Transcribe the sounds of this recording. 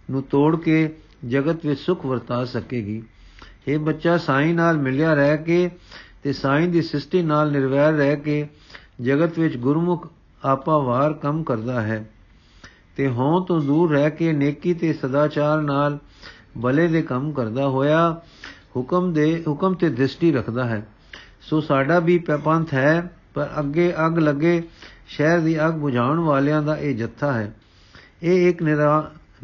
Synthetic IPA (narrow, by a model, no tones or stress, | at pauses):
nũːt̪oːɽkeː | d͡ʒəɡət̪ʋɪt͡ʃsʊkʰʋəɾt̪aːsəkeːɡiː | eːbətːʃaːsaːĩːnaːlmɪljaːɾɛːkeːt̪eːsaːĩːd̪iːsɪsʈiːnaːlnɪɾʋɛːɾːɛːkeː | d͡ʒəɡət̪ʋɪt͡ʃɡʊɾmʊkʰ | aːpaːʋaːɾkəmkəɾd̪aːɦɛː | t̪eːɦõːt̪õːd̪uːɾːɛːkeːneːkiːt̪eːsəd̪aːt͡ʃaːɾnaːl | bəleːd̪eːkəmkəɾd̪aːɦoːjaː | hʊkmeɦʊkəmt̪eːd̪ɾɪsʈiːɾəkʰd̪aːɦɛː | soːsaːɖaːbiːpɛːpə̃nt̪ʰɦɛː | pəɾə̰ɡːeːʔəɡləɡeːʃɛːɾd̪iːəɡbʊd͡ʒaːʋəɳʋaːljãːd̪aːʔeːd͡ʒət̪ʰːaːɦɛː | eːɪknɪɾaː